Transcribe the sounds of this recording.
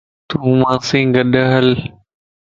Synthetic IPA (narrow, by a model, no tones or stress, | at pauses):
t̪uːmãːsɪ̃ŋɡəɗəɦəl